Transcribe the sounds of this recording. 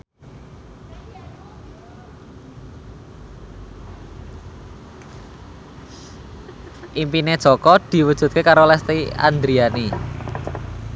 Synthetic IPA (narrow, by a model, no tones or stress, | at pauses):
ʔimpined̥ʒ̥ɔ̤kɔd̪̥i̤wəd̥ʒ̥ṳt̪̚kekaɾolɛst̪ia̰nd̪ɾiani